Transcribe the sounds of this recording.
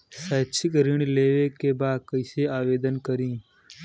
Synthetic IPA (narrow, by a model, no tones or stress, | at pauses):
saːt͡ʃʰɪkɾɪɳ̃leːʋeːkeːbaːd̪kəɪseaːʋeːd̪ənkəɾĩː